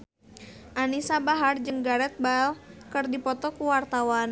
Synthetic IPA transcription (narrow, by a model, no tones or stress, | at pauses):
ʔanisabaɦard͡ʒɨŋɡaɾɛt̪̚balkərdipɔt̪ɔkuwart̪awan